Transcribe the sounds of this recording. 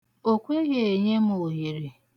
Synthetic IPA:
o˦kʷe˦ɣe˨e˨ɲe˦m˦o˨ɦi˨ɾi˨

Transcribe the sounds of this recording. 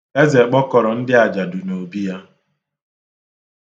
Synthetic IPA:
e˦ze˨k͡pɔ˦kɔ˨ɾɔ˨n̩˦dɪ˦a˨d͡ʒa˨du˨no˨bi˦ja˦

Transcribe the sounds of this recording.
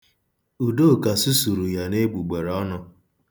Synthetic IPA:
u˨do˦˨ka˨su˦su˨ɾu˨ja˨ne˦ɡ͡bu˨ɡ͡be˨ɾɔ˦nʊ˦

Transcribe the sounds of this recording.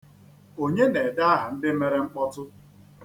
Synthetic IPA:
o˦ɲe˦ne˨da˦a˦ɦa˨n̩˦dɪ˦me˦ɾe˦ŋ͡m̩˦k͡pɔ˦tʊ˦

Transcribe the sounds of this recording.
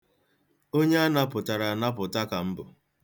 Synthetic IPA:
o˦ɲe˦a˦na˦pʊ˨ta˨ɾa˨na˦pʊ˨ta˦ka˨m̩˦bʊ˨

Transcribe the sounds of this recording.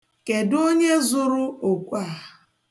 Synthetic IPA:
ke˨do˦ɲe˦zʊ˦ɾʊ˦o˨kʷa˦˨

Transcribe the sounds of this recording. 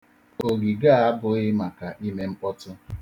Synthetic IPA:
o˨ɡi˨ɡa˦˨a˦bʊ˨ɪ˦ma˨ka˨ʔi˦me˦ŋ͡m̩˦k͡pɔ˦tʊ˦

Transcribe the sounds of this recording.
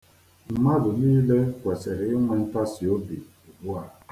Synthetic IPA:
m̩˨ma˦dʊ˨niː˦le˦kʷe˨se˨ɾɪ˨ɪ˦ŋʷe˨n̩˦ta˦sɪ˨o˦bi˨ | u˨bu˦a˨

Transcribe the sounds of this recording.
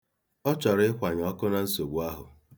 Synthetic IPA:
ɔ˦t͡ʃɔ˨ɾɪ˦ɪ˦kʷa˨ɲ˨ɔ˦kʊ˦na˨n̩˦so˨ɡ͡bu˨a˦ɦʊ̰˨

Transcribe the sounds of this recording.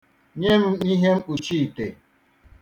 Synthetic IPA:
ɲe˦m̩˦i˦ɦe˦m̩˦u˨t͡ʃi˦˨te˨

